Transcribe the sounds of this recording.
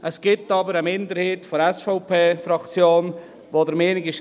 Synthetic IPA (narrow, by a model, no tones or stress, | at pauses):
ʔɛsɡ̥ɪp̚tɑːbəɾəmɪnd̪əɾhɪːtfɔɾɛsfɔʊpʰeːfɾɑkt͡sjoːn | ʋoːdəɾmeːnɪɡɪʃ